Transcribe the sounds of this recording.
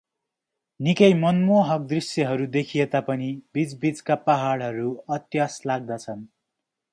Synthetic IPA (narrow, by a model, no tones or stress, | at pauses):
nikʌjmʌnmoɦʌk̚d̪risjʌɦʌɾud̪ekʰijet̪apʌnibid͡zbid͡zkapaɦaɽɦʌɾuʌt̪jaslaɡ̚d̪at͡sʰʌn